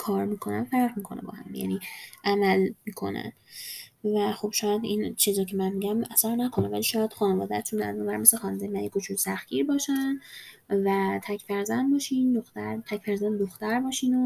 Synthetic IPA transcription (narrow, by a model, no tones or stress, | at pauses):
kʰɒːɾmiːkʰo̞nænfæɾʁmiːkʰo̞nebɒ̰hæ̰mbjæ̰niʔæmælmiːkʰo̞̰næ̰n | væxo̞b̥ʃɒːjæd̪int͡ʃʰizɒcʰe̞mænmiːɟæmæsæɾnækʰo̞nevæliːʃɒːjæd̪̥xɒːnevɒːd̪æt̪ʰunæ̰zunbæɾme̞sexɒːned̪ejmænikot͡ʃʰunsæxɟ̥iːɾbɒːʃænvæt̪ʰæcʰfæɾzænd̪bɒːʃiːnd̪oxt̪æɾt̪ʰæcfæɾzænd̪oxt̪æɾbɒːʃiːno